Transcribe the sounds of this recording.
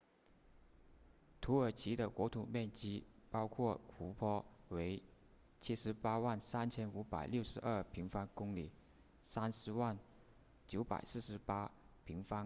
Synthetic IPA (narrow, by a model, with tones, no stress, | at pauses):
t̪ʰu˧˥ə˞˨˩t͡ɕʰi˧˥d̪ə˧kwɔ˧˥t̪ʰṵ˨˩mjɛ˥˩nt͡ɕi˥pɑ˥ʊkʰwɔ˥˩kʰu˧˥pʰɔ˥we˧˥ɪ | t͡ɕʰi˥ʂɻ̩˧˥pa˥wa˥˩nsa˥nt͡ɕʰjɛ˥nu˧˥pa̰˨˩ɪljo˥˩ʊʂɻ̩˧˥ʔə˞˥˩pʰi˧˥ŋfa˥nkʊ˥ŋli˨˩˦ | sa˥nʂɻ̩˧˥wa˥˩n | t͡ɕjo˧˥ʊpa̰˨˩ɪsɹ̩˥˩ʂɻ̩˧˥pa˥pʰi˧˥ŋfa˥n